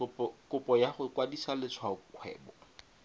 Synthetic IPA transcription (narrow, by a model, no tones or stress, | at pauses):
kʊpʼɔjaχʊkwadisalɪt͡sʰwaʊkʰwɛ̰ːbɔ